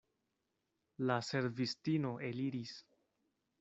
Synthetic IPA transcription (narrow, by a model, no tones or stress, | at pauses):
lase̞ɾvistino̞ʔe̞liɾis